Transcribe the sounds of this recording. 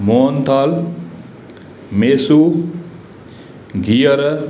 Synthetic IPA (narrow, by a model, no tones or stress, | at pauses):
moːnt̪al | mesu | ɡijɐɾə